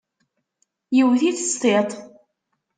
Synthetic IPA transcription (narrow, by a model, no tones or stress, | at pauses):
jəwθiθəst̪ˤet̪ˤ